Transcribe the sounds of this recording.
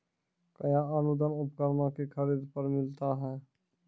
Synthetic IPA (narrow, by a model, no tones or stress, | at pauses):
kəjãənʊd̪ənʊpkəɾmakekʰəɾiːd̪pəɾmɪlt̪aɦɛː